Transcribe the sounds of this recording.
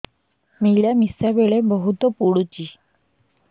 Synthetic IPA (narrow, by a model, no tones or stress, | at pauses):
miljamisabeɭebɔɦut̪ɔpuɽut͡ɕi